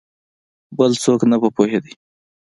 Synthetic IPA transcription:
bəlt͡soknabəpoɦed̪ij

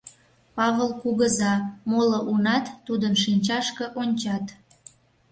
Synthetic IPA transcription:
pɑβəlkuɣəzɑmoloʔunɑt̪ːud̪ənʃinʲt͡ɕɑʃkə̆ʔonʲt͡ɕɑt̪

